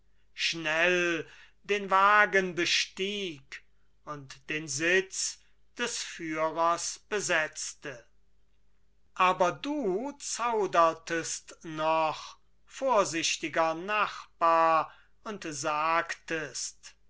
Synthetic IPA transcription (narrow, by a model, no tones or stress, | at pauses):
ʃnɛl | deːnvaːɡənbəʃtiːk | ʊntd̥eːnzɪt͡s | d̥ɛsfyːʁɐsb̥əzɛt͡stə | ʔaːbɐduːt͡saʊdɐtəstnɔχ | foːɐzɪʃtɪɡɐnaχb̥aːɐ | ʊntzaːktəst